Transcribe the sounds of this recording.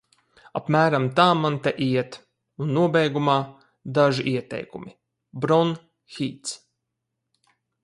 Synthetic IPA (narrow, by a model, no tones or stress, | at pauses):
apmæːɾamt̪aːmant̪ɛʔiɛt̪ | unːuɔbɛjɡumaː | d̪aʒiʔiɛt̪ɛ̰jkumi | bɾɔn | xit̪s